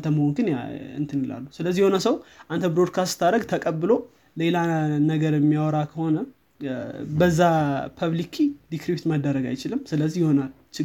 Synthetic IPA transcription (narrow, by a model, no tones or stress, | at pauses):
t̪ʰəməhonɡɨnjɨ̰nt̪ʰɨnila̰lːusɨləzːijho̞nəsəwʔant̪ʰəbɾo̞d̪̚kʰast̪t̪ʰaɾəɡt̪ʰəkʼəbːɨlo̞ | le̞lanəɡəɾɛmːjawɔɾakʰəho̞nə | bəzːapʰəβlikʰid̪ikɾipt̪məd̪ːəɾəɡa̰jt͡ʃɪlɨmːsɨləzːihjɪho̞nal | t͡ʃɪ